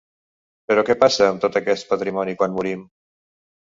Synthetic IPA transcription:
peɾɔkɛpasəːmt̪ot̪əkɛst̪̚pət̪ɾimɔnikwanmuɾim

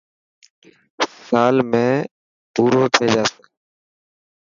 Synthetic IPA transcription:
saːlmẽː | puːɾoːt̪ʰeːd͡ʒaːsẽː

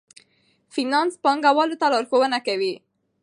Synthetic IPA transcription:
finɑnspɑŋɡawɑlot̪alɑɾxowənakawi

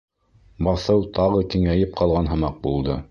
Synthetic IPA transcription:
bɑθɤwt̪ɑʁɤkĭŋæjɘp̚qɑlˠʁɑnɦɤ̆mɑq̚bulˠd̪ɤ

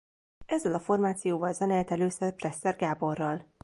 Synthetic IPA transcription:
ɛzːɛlɒfo̞rmaːt̪sijoːvɒlzɛnɛlt̪ɛløːsɛprɛsːɛrɡaːbo̞rːɒl

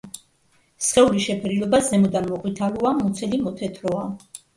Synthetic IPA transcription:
sχɛuliʃɛpʰɛɾilɔbazɛmɔd̪anmɔkʼwit̪ʰaluamut̪sʰɛlimɔt̪ʰɛt̪ʰɾɔa

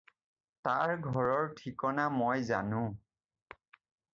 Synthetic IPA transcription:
taɹɡʱɔɹɔɹtʰikɔnamojza̰nʊ̃

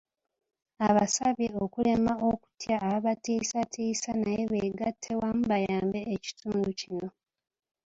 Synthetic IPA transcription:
aβasaβjeo̞kule̞mao̞ku̥tjaːβaβatiːsatʰiːsanaje̞βeːɡatʰːe̞wamuβajaːmbe̞ːci̥tuːnducino̞

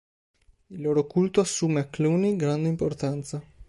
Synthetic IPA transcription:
ilːoːɾokult̪oasːuːmeakːluːniɡɾand̪eimport̪ant̪sa

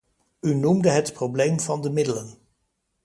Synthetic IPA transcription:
ynumdəɦətprowblejmvɑndəmɪdələn

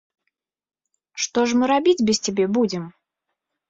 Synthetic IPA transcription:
ʂt̪ɔʐmɨɾabʲid͡zʲbʲɪst͡sʲabʲɛbud͡zʲɪm

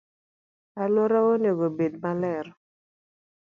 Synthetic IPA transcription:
alwɔɾaoneɡobedmalɛɾɔ

